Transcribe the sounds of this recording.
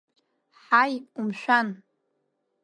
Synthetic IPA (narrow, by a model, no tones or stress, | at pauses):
ħajpʼumʃʷᶣan